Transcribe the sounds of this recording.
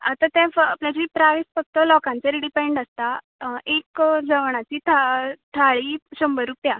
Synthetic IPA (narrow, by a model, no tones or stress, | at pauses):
at̪ãt̪ɛ̃apljad͡ʑipɾaʋisfək̚t̪əlɔkãnt͡seɾiɖipɛɳɖəst̪a | ekd͡zəʋɳ̃at͡ɕiːt̪ʰaʈ̪ʰaɭiɕəmbəɾupja